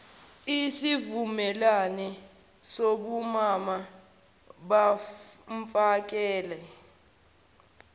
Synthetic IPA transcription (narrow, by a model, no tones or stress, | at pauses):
isivumɛlanɛ | soɓumama | ɓaɱfak̬ʼɛːlɛ